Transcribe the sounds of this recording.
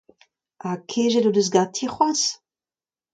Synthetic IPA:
akʰeʒɛdodøs̬ɡatʰiχwas

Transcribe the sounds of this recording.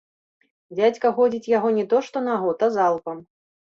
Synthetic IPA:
d͡zʲat͡sʲkɐɣɔd͡zʲit͡sʲjaɣɔnʲɛt̪ɔʂt̪ɔnaɣɔt̪ɐzalˠpɐm

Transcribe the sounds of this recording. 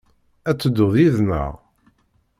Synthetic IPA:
æt͡sːəd̪ːʊðˤiðnə̰ʁ

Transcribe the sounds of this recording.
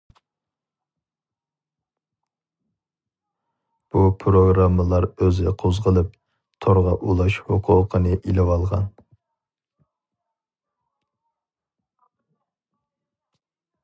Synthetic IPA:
b̥upʰɾoɡɾɑmːəlˠɑɾøzɪqʰozʁəlˠɨp̚ | t̪ʰoɾʁɑʔulˠɑʃhoqʰʊːqʰənɨʔilɪwɑlˠʁɑn

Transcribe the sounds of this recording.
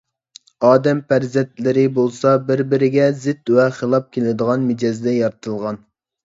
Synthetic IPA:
ɑːd̪ɛmpæɾzɛnt̪lɪɾɪbolˠsɑbɪɾbɪɾɪɡʲɛzɪt̪wɛχelˠɑp̚kʲʰelɪd̪əʁɑnmɪd͡ʒɑzd̪ɛjɑɾt̪ʰɨlˠʁɑn

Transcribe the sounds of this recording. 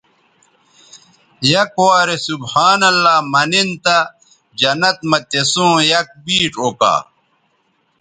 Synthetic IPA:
jɐkwaːɾesubhaːnɐlːaːmɐnint̪ɐ | d͡ʑɐnɐt̪̚mɐt̪esũːjɐk̚biːʈoːka̰ː

